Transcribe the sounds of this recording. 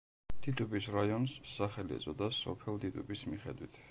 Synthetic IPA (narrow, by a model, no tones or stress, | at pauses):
d̪it̪ʼubisɾajɔnsːaχɛliɛ̰d̪zʼɔd̪asɔpʰɛlˠt̪it̪ʼubismiχɛ̰d̪wit̪ʰ